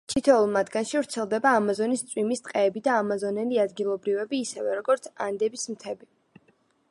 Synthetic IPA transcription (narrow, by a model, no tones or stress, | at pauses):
t̪ʰit̪ʰɛulˠmad̪ɡanʃivɾt̪sʰɛlˠd̪ɛbaːmazɔnist̪sʼwimist̪ʼqʼɛːbid̪aːmazɔnɛliad̪ɡilˠɔbɾivɛbiːsɛvɛɾɔɡɔɾt̪sʰand̪ɛbismt̪ʰɛbi